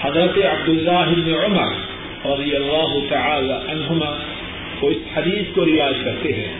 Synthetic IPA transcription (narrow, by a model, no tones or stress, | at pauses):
ħɐd̪ɾɐt̪eʕab̚d̪ɪlːaːɦɪbnɪʕʊmɐ̰ɾˤ | ɾˤɑd̪ˤɪjɐlːaːɦʊt̪aʕaːlaʕanɦʊmaː | woɪsħad̪iːskoɾɪjaːd͡ʒkɐɾt̪eɦɛ̰̃ː